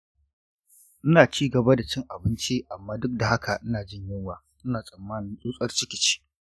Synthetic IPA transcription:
ʔɪ˦naː˨t͡ʃiː˦ɡɐ˨ba˦da˨t͡ʃɪ˦ŋʔa˨bɪ˦nt͡ʃiː˦ʔa˨mːaː˦dʊ˦k̚da˨ha˦kʰa˨ʔɪ˦naː˨d͡ʒɪ˦ɲjɪ˦ŋwaː˨ | ʔɪ˦naː˨sʼɐ˨mːaː˦nɪ˦ŋʔʼuː˦sʼɐ˦rt͡ʃɪ˦kʲɪ˨t͡ʃi̥ː˦

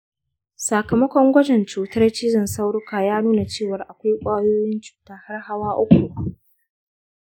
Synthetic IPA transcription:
sa˨kɐ˨mɐ˦kʷɔ˦ŋɡʷɐ˦d͡ʒɛ˨nt͡ʃuː˨tɐ˦rt͡ʃɪ˦d͡ʒɪ˨nsa˦wɽʊ˦kaː˨jaː˦nuː˦na˨t͡ʃeː˦˨wɐ˨rʔa˨kʷa˦jkʷʼaː˦joː˦jɪ˦nt͡ʃu̥ː˨taː˦ha˦rha˦waː˦ʔʊ˦kʷu˨ʔ

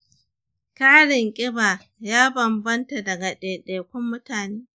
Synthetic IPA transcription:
kaː˦ɽɪ˨ŋkʲʼɪ˦baː˨ | jaː˦bɐ˨mbɐ˦nta˨dɐ˨ɡa˨ɗeː˨ɗeː˨kʷʊ˦mːʊ˦taː˨neː˦

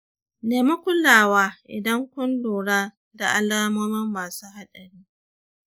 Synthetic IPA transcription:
neː˨mɐ˦kʷʊ˦laː˨waː˦ʔɪ̰˨dɐ˦ŋkʷʊ˦nluː˨ɽaː˦ | da˨ʔa˦laː˦moː˦mɪ˦mːaː˨suː˦ɦa˦ɗɐ˨ɽiː˦

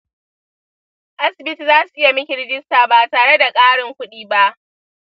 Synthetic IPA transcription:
ʔa˦sɪ˨bɪ˦ti˨zaː˦su˨ʔɪ˦ja˨mɪ˦kʲɪ˨ɽɪ˦d͡ʒɪ˦staː˨baː˨taː˨ɽe˦da˨kʼaː˦ɽɪ˨ŋkʷʊ˦ɗiː˦ba˦ʔ

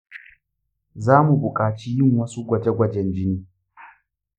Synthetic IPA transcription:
zaː˦mu˨bʊ˨kʼaː˨t͡ʃiː˦jɪ˦ŋwɐ˦su˦ɡʷɐ˨d͡ʒe˦ɡʷɐ˨d͡ʒɛ˦nd͡ʒɪ˦niː˦

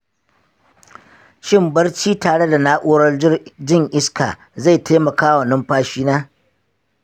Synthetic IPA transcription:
ʃɪ˦˨mbɐ˦rt͡ʃiː˦taː˨ɽe˦da˨naː˦ʔoː˦ɽɐ˦rd͡ʒɪ˦rd͡ʒɪ˦ŋʔɪ˦ska̰ː˨ | za˦˨tʰa˦mɐ˨kaː˦wa˨nɔ˦mɸaː˦ʃiː˦naː˦

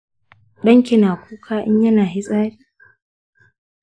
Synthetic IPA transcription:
ɗɐ˦ŋkʲɪ˨naː˨kʷʰuː˦kʰaː˦ʔɪ̰˦ɲjɐ˦naː˨ɦi˦sʼaː˦ɾiː˦

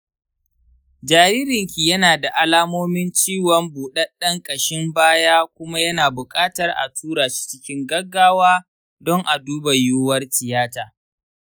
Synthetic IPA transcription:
d͡ʒaː˨ɾiː˦ɾɪ˨ŋkʲi˨jɐ˦naː˨da˨ʔa˨laː˦moː˦mɪ˦nt͡ʃiː˦˨wɐ˦mbuː˨ɗɐ˦ɗɐ˦ŋkʼɐ˨ʃɪ˦mbaː˦jaː˦kʷʊ˦ma˦jɐ˦naː˨bʊ˨kʼaː˦tɐ˨rʔa̰˨tʰuː˦ɾaː˨t͡ʃi̥˦t͡ʃɪ˦kʲɪ˦ŋɡɐ˦ɡːaː˦waː˦ | dɔ˦ŋʔa˨duː˦ba˨juː˦wɐ˦rtɪ˨jaː˦taː˨

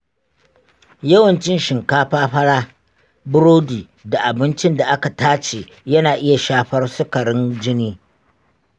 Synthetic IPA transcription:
jɐ˦wɐ˨nt͡ʃɪ˦nʃɪ˨ŋkaː˦ɸaː˦ɸɐ˦ɽaː˦ | bʊ˦ɾoː˦diː˨ | da˨ʔa˨bɪ˦nt͡ʃɪ˦nda˨ʔa˦ka˨taː˦t͡ʃeː˨ | jɐ˦naː˨ʔɪ˦ja˨ʃaː˦ɸɐ˦rsʊ˦kɐ˨ɽɪ˦nd͡ʒɪ˦niː˦

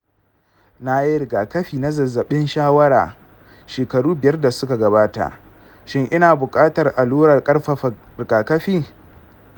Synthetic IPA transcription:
na˦ji˦ɾɪ˨ɡaː˨kɐ˦ɸiː˨na˦zɐ˨zːɐ˨ɓɪ˦nʃaː˦wɐ˦ɽa̰ː˨ | ʃeː˨kɐ˨ɽuː˦bɪ˨jɐ˦rda˨sʊ˦ka˨ɡɐ˨βaː˦ta̰˨ʔ | ʃɪ˦ŋʔɪ˦naː˨bʊ˨kʼaː˦tɐ˨rʔa˨luː˦ɽɐ˨rkʼɐ˦rɸɐ˨ | ɾɪ˨ɡaː˨kɐ˦ɸiː˦

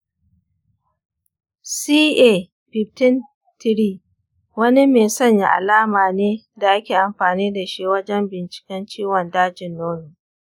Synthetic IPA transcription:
siː˦ʔe˦˨ | ɸɪ˨p̚tɪ˦n | tɪ˦ɾiː˦˨ | wɐ˦ni˦meː˨sɐ˦ɲja̰˦˨ʔa̰˨laː˦maː˨neː˦ | da˨ʔa˦kʲeː˨ʔa˨mɸaː˨niː˦da˨ʃi˦wɐ˦d͡ʒɛ˦mbɪ˨nt͡ʃɪ̥˨kʲɛ˦nt͡ʃiː˦wɔ˨ndaː˦d͡ʒɪ˨nːoː˦noː˨

